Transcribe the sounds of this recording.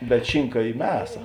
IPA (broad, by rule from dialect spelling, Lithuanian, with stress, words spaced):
bʲɛt ˈʃʲɪŋkɐ ˈiː ˈmʲæːsɐ